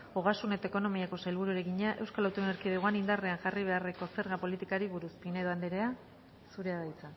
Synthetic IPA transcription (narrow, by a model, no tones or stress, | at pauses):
oɣ̞asune̞t̪aeko̞no̞miako̞sajlβuɾuɾeɣiɲaʔewskalawt̪ueneɾkiðeɣoanind̪areaŋʝariβ̞e̞are̞ko̞se̞ɾɣapo̞lit̪ikaɾiβuɾuspineðo̞and̪eɾe̞a | suɾe̞aðajt͡sa